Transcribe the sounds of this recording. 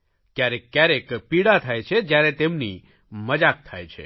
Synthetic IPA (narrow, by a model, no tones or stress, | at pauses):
kjaɾekːjaɾekpiɽat̪ʰajt͡ʃʰed͡ʒjaɾet̪emni | məd͡ʒak̚t̪ʰajt͡ʃʰḛ